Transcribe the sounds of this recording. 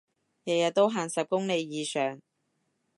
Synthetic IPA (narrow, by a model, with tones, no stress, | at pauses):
jɐ˨jɐ˨t̚t̪o˥wɦaː˨˩nsɐ˨p̚kʊ˥ŋne˨˧jːiː˨˧sœː˨ŋ